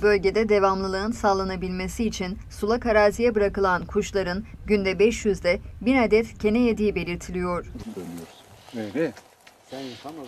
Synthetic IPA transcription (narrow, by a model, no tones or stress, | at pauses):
bø̞lʲɟe̞d̪ɛd̪e̞vamlˠɯlˠɯɯnsaːlˠːanabilʲme̞siːt͡ʃʰin | sulˠakʰaɾaːzijɛbɯɾakɯlˠankʰuʃlˠaɾɯnɟynd̪ɛbɛʃjyzd̪ɛbiɾad̪ɛt̪cʰe̞nɛjed̪ijibe̞lʲiɾt̪ʰilʲijo̞ɾ̥ølijoɾ | eɾɛ